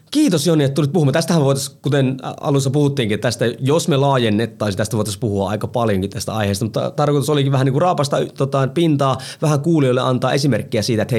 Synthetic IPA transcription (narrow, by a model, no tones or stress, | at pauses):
kiːt̪osjonːiet̪t̪ulit̪̚puhumːɑt̪æst̪æhæmʋoijt̪ɑskut̪enɑ̰lusːɑpuhut̪ːiːŋkiet̪ːt̪æst̪æjosmelɑːjenːet̪ːɑˑːsit̪æst̪æʋoˑjt̪ɑspuhuɑ̰ɑ̰ikɑpɑljoŋkit̪t̪æst̪æ̰ɑ̰iheˑːst̪ɑmut̪ːɑ̰t̪ɑrkoit̪usolikiʋʋæhæniːkurɑːpɑst̪ɑt̪ot̪ɑinpint̪ɑːʋæhæŋkuːlioilːeʔɑ̰nt̪ɑːʔesimerkːiæsiːt̪æet̪he